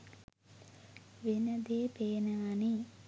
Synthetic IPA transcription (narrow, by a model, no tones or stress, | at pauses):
ʋenəd̪eːpeːnəani